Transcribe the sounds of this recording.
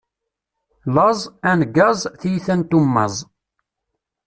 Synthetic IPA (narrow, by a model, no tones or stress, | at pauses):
lɑzˤænɡːɑzˤθijθænt̪umːɑ̰zˤ